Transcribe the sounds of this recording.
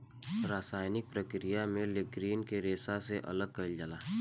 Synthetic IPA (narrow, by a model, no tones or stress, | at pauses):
ɾaːsaːjnɪk̚pɾəkɾijamẽlɪkɾiːnkeɾeːsaseʔɐ̰ləɡ̚kɐɪld͡ʒəlaː